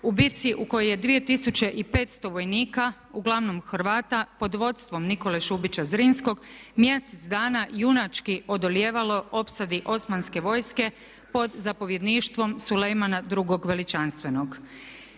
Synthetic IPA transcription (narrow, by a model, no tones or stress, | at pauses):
ubit̪siʔuko̞joje̞d̪ʋije̞t̪isut͡ɕe̞ʔipe̞ːt̪st̪o̞ʋo̞jniːka | uɡlˠaʋno̞mxɾʋaːt̪apo̞d̪ʋo̞t̪st̪ʋo̞mniko̞leʃubit͡ɕazɾiːnsko̞ɡmjeset̪sd̪aːnajunat͡ʃkio̞d̪o̞lje̞ːʋalo̞o̞psad̪iʔo̞smanske̞ʋo̞ːjske̞ | po̞d̪zapo̞ʋje̞d̪niːʃt̪ʋo̞msulejmanad̪ɾuɡo̞ɡʋe̞lit͡ʃanst̪ʋe̞no̞ɡ